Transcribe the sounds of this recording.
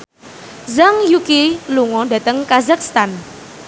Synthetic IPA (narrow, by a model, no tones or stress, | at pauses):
zaŋjukiluŋɔda̤t̪əŋkazakst̪an